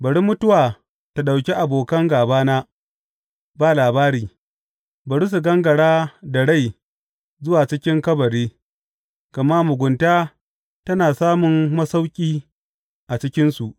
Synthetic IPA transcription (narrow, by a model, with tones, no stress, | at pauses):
bɐ˨ɽi˦mʊ˦tʊ˦waː˨ | ta˨ɗa˨wkʲe˦ʔa˨boː˨kɐ˦ŋɡaː˨baː˦naː˦ | baː˨laː˨baː˦ɾiː˨ | bɐ˨ɽi˦s̬u˨ɡɐ˦ŋɡɐ˨ɽaː˦da˨ɽa˦˨j | zʊ˦waː˨t͡ʃɪ˦kʲɪ˦ŋkɐ˦bɐ˨ɽeː˦ | kɐ˨ma˦mʊ˨ɡʷʊ˨ntaː˦ | tɐ˦naː˨saː˦mʊ˨mːɐ˦sa˦wkʲʼiː˦ | ʔa˨t͡ʃɪ˦kʲɪ˦nsu˨ʔ